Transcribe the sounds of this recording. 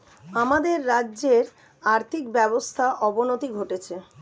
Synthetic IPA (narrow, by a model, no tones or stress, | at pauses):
amad̪eɾːaːʑeɾ | aɾt̪ʰikbɛbost̪ʰaʔɔbonot̪iɡʱoʈet͡ɕʰe